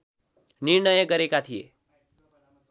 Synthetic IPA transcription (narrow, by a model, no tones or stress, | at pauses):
niɾɳʌjʌɡʌɾekat̪ʰijḛ